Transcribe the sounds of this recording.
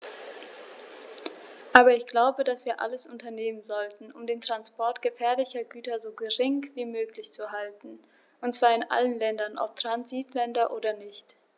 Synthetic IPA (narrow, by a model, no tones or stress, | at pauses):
ʔaːbɐɪçɡ̥laʊbədasv̥iːɐʔa̰ləsʔʊntɐneːmənzɔltn̩ʔʊmdeːntʁ̥anspɔɐtɡ̥əfɛːɐlɪçɐɡyːtɐzoːɡəʁɪŋv̥iːmøːklɪçt͡suɦaltn̩ | ʔʊntt͡sv̥aːɐɪnʔa̰lənlɛndɐnʔɔ̰p̚tʁ̥anziːtlɛndɐʔoːdɐnɪçt